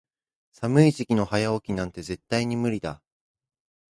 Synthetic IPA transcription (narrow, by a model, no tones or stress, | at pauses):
samɯ̟iʑikʲino̞hajao̞kʲinãnt̪e̞ze̞t̪ːaiɲ̟imɯ̟ɾʲid̪a